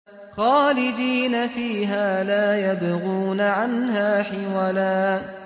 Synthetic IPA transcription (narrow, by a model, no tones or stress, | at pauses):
xaːlɪd̪iːnafiːɦaːlaːjabaɣuːnaʕanhaːħɪwalaː